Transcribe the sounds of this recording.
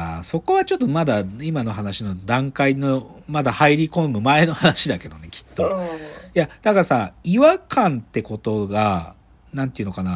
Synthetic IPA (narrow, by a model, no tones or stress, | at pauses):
so̞ko̞βat͡ɕo̞t̪ːomad̪aimano̞ɦanaɕino̞d̪ãŋkainomad̪ahaiɾʲikõ̞mɯ̟mae̞no̞hanaɕid̪ake̞d̪o̞ne̞kʲʰi̥t̪ːo̞jad̪̥akasaiβakãnt̪e̞ko̞t̪o̞ɡa | nãnt̪eiɯ̟nokana